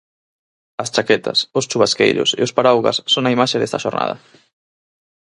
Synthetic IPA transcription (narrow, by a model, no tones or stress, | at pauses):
ɐst͡ʃakɛt̪ɐ̰sʊst͡ʃuβaskḛjʎʊ̰sḛospaɾawɣa̰sːoŋaimaʃeðest̪aʃoɾna̰ðɐ̰